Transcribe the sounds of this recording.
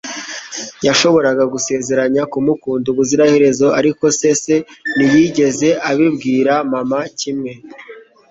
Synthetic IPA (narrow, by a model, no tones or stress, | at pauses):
jaʃo̞βo̞ɾaɡaɡuse̞ːze̞ɾaɲakumukuːnduβuziɾahe̞ɾe̞zo̞aɾiko̞se̞se̞nijiɟe̞ze̞ʔaβibɡiːɾamamacimŋe̞